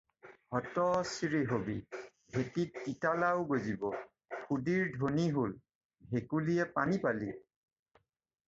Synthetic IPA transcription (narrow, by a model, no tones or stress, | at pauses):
hɔtɔsiɹeɦobi | bʱetit̚ːitalaʊɡozibɔ | xudiɹdʱoniɦol | bʱekulijɛpanipali